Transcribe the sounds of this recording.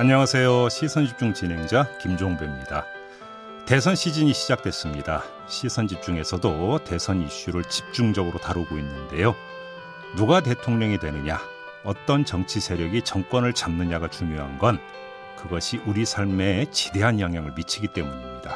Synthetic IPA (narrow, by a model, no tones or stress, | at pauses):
aɲʌŋasʰe̞joɕʰisʰʌnɕʰip̚t͡ɕ͈uŋt͡ɕinɦe̞ŋd͡ʑakimd͡ʑoŋbemɲida | te̞sʰʌnɕʰid͡ʑiɲiɕʰid͡ʑak̚t͈we̞s͈ɯmɲida | ɕʰisʰʌnd͡ʑip̚t͡ɕ͈uŋe̞sʰʌdote̞sʰʌniɕ͈uɾɯɭt͡ɕip̚t͡ɕ͈uŋd͡ʑʌɡɯɾotaɾuɡoinːɯnde̞jo | nuɡat̬e̞tʰoŋɲʌŋidwe̞nɯɲa | ʌt͈ʌnt͡ɕʌŋt͡ɕʰisʰe̞ɾjʌɡit͡ɕʌŋk͈wʌnɯɭt͡ɕamnɯɲaɡat͡ɕuŋjoɦanɡʌn | kɯɡʌɕʰiʔuɾisʰaɭme̞t͡ɕi̥de̞ɦanjʌŋɦjaŋɯɭmit͡ɕʰiɡit͈e̞muɲimɲida